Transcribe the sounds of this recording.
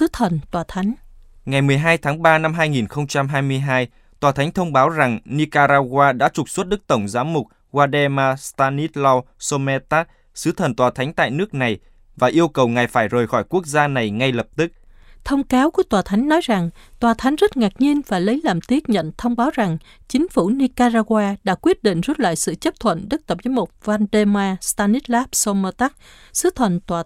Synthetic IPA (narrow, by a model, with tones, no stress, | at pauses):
sɨ˨˦t̪ʰə˨˩nt̪waː˨˩t̪ʰa˨˦jŋ̟ | ŋa˨˩jmɨ˨˩əjɦaː˧jt̪ʰaː˨˦ŋɓaː˧na˧mɦaː˧jŋi˨˩nxə˧wŋ͡mt͡ɕa˧mɦaː˧jmɨ˧əjɦaː˧j | t̪waː˨˩t̪ʰa˨˦ŋt̪ʰə˧wŋ͡mɓaː˨˦wza˨˩ŋni˧kaː˧ɾaː˧ɣwaː˧ɗa̰ː˧˥t͡ɕʊ˨˩k͡p̚swə˦˥t̚ɗɨ˦˥k̚t̪ə˧˩wŋ͡mzaː˨˦mːʊ˨˩k͡p̚ | ɣwaː˧ɗɛ˧maː˧st̪aː˧ni˦˥t̚lɔ˧wso˧mɛ˧t̪aː˦˥t̚ | sɨ˨˦t̪ʰə˨˩nt̪waː˨˩t̪ʰa˨˦ŋ̟t̪a̰ː˧˨jnɨ˦˥ək̚na˨˩j | vaː˨˩ʔi˧əwkə˨˩wŋa˨˩jfaː˧˩jzəː˨˩jxɔ˧˩jku˦˥ək̚zaː˧na˨˩jŋa˧jlə˨˩p̚t̪ɨ˦˥k̚ | t̪ʰə˧wŋ͡mkaː˨˦wku˧˩ət̪waː˨˩t̪ʰa˨˦jŋ̟nɔ˨˦jza˨˩ŋt̪waː˨˩t̪ʰa˨˦jŋ̟zə˦˥t̚ŋa˨˩k̚ɲi˧ənvaː˨˩jlə˨˦jlaː˨˩mt̪i˦˥ək̚ɲə̰˧˨nt̪ʰə˧wŋ͡mɓaː˨˦wza˨˩ŋ | t͡ɕï˨˦ŋ̟fu˧˩ni˧kaː˧zaː˧ɣwaː˧ɗa̰ː˧˥kwi˦˥ət̚ɗḭ˧˨ŋ̟zu˦˥t̚la̰ː˧˨jsɨ̰˧˨t͡ɕə˦˥p̚t̪ʰwə̰˧˨nɗə˦˥k̚t̪ə˨˩p̚vəː˨˦jmo˨˩t̚vaː˧nɗe˧maː˧st̪aː˧ni˦˥t̚laː˦˥p̚so˧mə˧t̪a˦˥k̚ | sɨ˨˦t̪ʰə˨˩nt̪waː˨˩